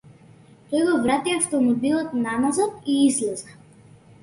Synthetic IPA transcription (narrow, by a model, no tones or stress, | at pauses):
t̪ɔjɡɔvɾat̪iaft̪ɔmɔbilˠɔt̪namazɔt̪iizlɛza